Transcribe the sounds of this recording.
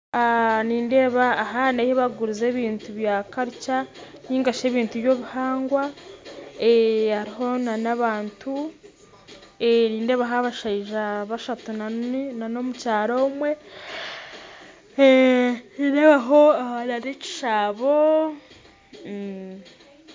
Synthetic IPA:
aniːnde̞ːβaːɦanaheβaɡuɾize̞ːβiːntuβjaːkaɾica | niːŋɡaʃe̞ːβiːntuβjo̞ːβuhaːŋɡwa | ehaɾiɦo̞nanaβaːntʰu | eniːnde̞ːβaɦaβaʃaiʒaβaʃatunanano̞mucaːɾoumwe̞ | ideːβaɦo̞anaɾeci̥ʃaːβo̞

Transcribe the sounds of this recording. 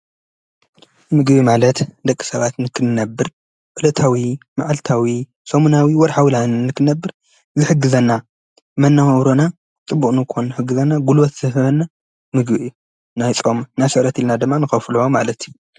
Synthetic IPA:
mɨɡbimalɐt̪d̪ɐkʼːi̥sɐβat̪nɨkʰɨnnɐbːɨɾ | ʔɨlɐt̪ʰawimaʕalt̪ʰawi | somunawiwɔɾħawlannːɨkʰɨnɐbːɨɾ | zɨħɨɡɨzɐnːa | mɐnːamɐwɾona | t͡sʼɨbːuχʼnɨkʰonːɨħɨɡːɨzɐnːaɡulbot̪zɨhɨβɐnːa | mɨɡbiʔi | najt͡sʼo̞mnasɨʔɾɐt̪ʰilnad̪ɨmːanɨxɐflɐwomalɐt̪ʰju

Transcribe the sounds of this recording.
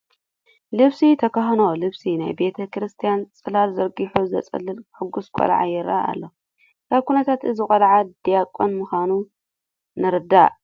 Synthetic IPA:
lɨβsit̪ʰɐkʰɐxnolɨβsina̰jbe̞t̪ʰɐkʰɾɨst̪ʰijant͡sʼɨlalzɐɾɡiħuzɐ̰t͡sʼɨ̰lːɨlħɨɡːuskʷʼo̰l̰ʕa̰jɪɾa̰a̰lːo | kʰaβkʰunɐt̪ʰat̪ɨzɨkʼɐlʕad̪ijakʼːonmɨxʷanu | nɨɾɨd̪a̰ʕ

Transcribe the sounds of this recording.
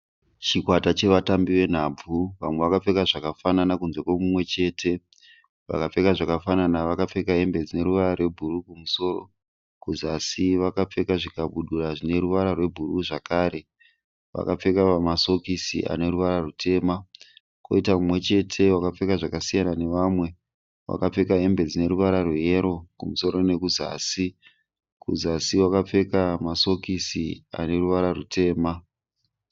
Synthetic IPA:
t͡ʃikwatat͡ʃe̞ʋatambiʋe̞n̤ab͡vuʋamwe̞ʋakap͡fe̞kaʐakafananakunzwe̞kwomumwe̞t͡ʃe̞ːtʰe | ʋa̰kap͡fe̞kaʐakafananaʋakap͡fe̞kaɦe̞mbe̞d͡zine̞ɾuʋaɾarwe̞bʱurukumuso̞ro̰ | kuzasiʋakap͡fe̞kaʐikaɓuɗuraʐine̞ɾuʋaɾarwe̞bʱuɾuʐakaːɾe̞ | ʋa̰kap͡fe̞kapamaso̞kisḭʔa̰ne̞ɾuʋaɾarutʰe̞ːma | ko̞̰itaumwe̞t͡ʃe̞tʰe̞wakap͡fe̞kaʐakasijanane̞ʋamwe̞ | wa̰kap͡fe̞kaɦe̞mbe̞d͡zine̞ɾuʋaɾarweje̞ɾo̞kumuso̞ɾo̞ne̞kuza̰ːsi | kuzasiwakap͡fe̞kamaso̞kisia̰ne̞ruʋaɾarutʰe̞ːma

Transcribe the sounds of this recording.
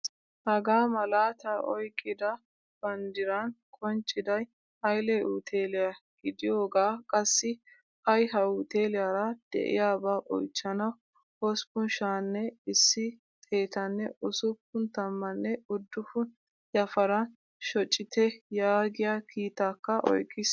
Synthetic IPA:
hɐɡaːmɐlaːt̪ɐʔɔjkʼːɪd̪ɐ | b̥ɐnd̪ɪɾankʼɔnt͡ʃʼːɪd̪ɐj | ɐjlɛʔut̪ʰeːlɪjaɡ̥ɪd̪ɪjoːɡaːkʼɐsːɪ | ʔɐjɦɐʊt̪e̞ːlɪjaɾɐd̪̥ɛ̰ʔɪ̰jaːbaːʔɔ̰jt͡ʃːɐnɐw | hɔspʊnʃaːnːɛɪsːɪ | t̪ʼe̞ːt̪ɐnːɛʊsʊpːʊnt̪ɐmːɐnːɛʊd̪ːʊfʊn | jɐfɐɾɐn | ʃɔt͡ʃʼːɪt̪ɛjaːɡɪjakʰiːt̪ːakːɐʔɔ̰jkʼːɪs

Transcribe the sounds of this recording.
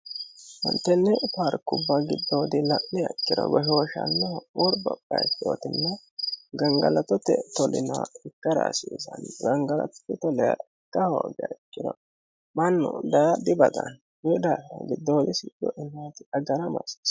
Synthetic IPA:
hɔ̰nt̪ːɛnːɛpaɾkːʊbːɐɡɪd̪ːo̞ːd̪ɪlɐʔnɪɐkːɪd̪ɔ̰ɡɔhoːʃɐ̰nːɛwɔɾbɐpʼːɐjtːɪo̰ːt̪ɪnːɐɡɐŋɡɐ̰lɐt̪ɔt̪ːɛt̪ɔlɪnɐɪkːɐɾa̰ːsiːsɐnɡɐŋɡɐlɐ̰t̪ɔ̥t̪ːɪt̪ɔlɛjaɪkːɐhoɡɛɐkʼːɪd̪ɔ | mɐnːʊd̪ad̪ɪbɐd̪ɐn | jud̪aɐɡɪd̪ːoːd̪ɪsɪd͡ʒɔʔɪnːat̪ɪʔɐɡɐɾɐmɐ̰si̥s

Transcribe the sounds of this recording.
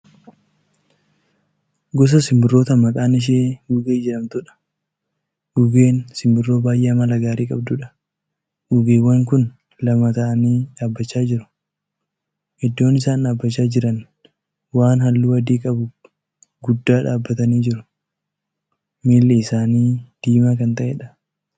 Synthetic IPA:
ɡɔs̬ɐsɪmbɪrːo̞ːt̪ɐmɐkʼaːnɪʃ̬eːhuːɡeːd͡ʒɛɾɐmt̪ʊᶑɐ̥ | uːɡeːnsɪmbɪrːo̞ːbaːjʔeːmɐlɐɡaːɾiːkʼɐbd̪ʊᶑɐ̥ | ʔuːɡeːwːɐŋkʊn | lɐmɐt̪ɐʔɐniːᶑaːbːɐt͡ʃːaːd͡ʒɪɾʊ̥ | hɛd̪ːo̞ːnɪsaːnᶑaːbːɐt͡ʃːaːd͡ʒɪɾɐn | waːnhɐlːuːwɐd̪iːkʼɐbʊ | ɡʊd̪ːaːᶑaːbːɐt̪ɐniːd͡ʒɪɾʊ | miːlːeɪsaːniːd̪̥iːmaːkɐnt̪ɐʔeᶑɐ̥

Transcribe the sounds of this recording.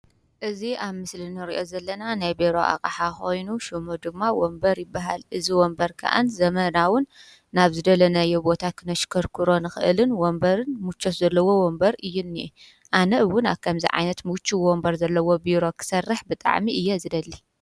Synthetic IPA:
ʔɨziʔaβmɨslinɨɾḭʔo̞zɐlːɐnanajbeɾo̞̰ʔa̰kʼħaxo̞jnuʃumud̪ɨmːawombɐɾjɪbːaɦa̰lʔɨziwɔmbɐɾkʰa̰ʔa̰nzɐmɐnawʊnː | aβzɨd̪ɐlɐnɐjɛbo̞t̪ʰakʰɨnɐʃkʰɐɾkʰɨɾo̞nɨxɨʔɨ̰lɨnwombɐɾɨnmut͡ʃːot̪zɐlːɐwo̞wombɐɾɨjːunːiʔu | ʔanɐʔɨwːʊna̰βkʰɐmzḭʕa̰jnɐt̪mut͡ʃːiwombɐɾzɐlːɐwo̞biɾo̞kʰɨ̥sɐrːɨħbɨt̪ʼa̰ʕmiʔɨjːɛzɨd̪ɐlːi

